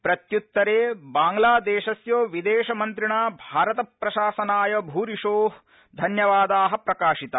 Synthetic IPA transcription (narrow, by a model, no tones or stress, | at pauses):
pɾɐt̪jut̪ːɐɾeːbaːŋɡlaːd̪eːʃɐsjoːʋid̪eːʃɐmɐnt̪ɾiɳaːbʱaːɾɐt̪ɐpɾɐʃaːsɐnaːjɐbʱuːɾiʃoːɦ | d̪ʱɐnjɐʋaːd̪aːɦɐpɾɐkaːʃit̪ɐ